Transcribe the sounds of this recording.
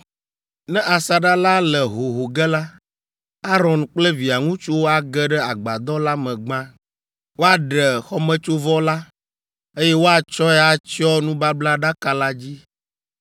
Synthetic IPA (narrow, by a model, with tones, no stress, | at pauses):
nɛ̃˦ʔa˨sa˨ɖa˦la˦lɛ˨ɦo˨ɦo˨ɡɛ˦la˦ | a˦ɾɔ̃˨nk͡plɛ˦vi˨a˨ŋũ˦t͡ʃu˦wo˦a˨ɡɛ˦ɖɛ˦a˨ɡ͡ba˨d̪ɔ˦la˦mɛ̃˨ɡ͡bã˦ | wo˦a˨ɖɛ˨xɔ˦mɛ̃˦t͡ʃo˦vɔ˦la˦ | e˦jɛ˦wo˦a˨t͡ʃɔ˦ɛ˦a˨t͡ʃi˦ɔ˦nũ˦ba˦bla˦ɖa˦ka˨la˦d͡ʑi˦